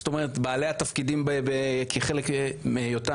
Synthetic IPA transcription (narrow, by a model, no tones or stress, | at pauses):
sto̞me̞ʁet̪baːlehat̪ɐfkidimbebekʰiχelekmejota